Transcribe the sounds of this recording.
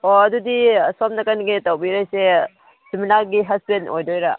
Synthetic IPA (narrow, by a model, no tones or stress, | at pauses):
oɐdudisamnɐkanɡitawbiɾajse | siminaɾɡiɦasbenojdojɾa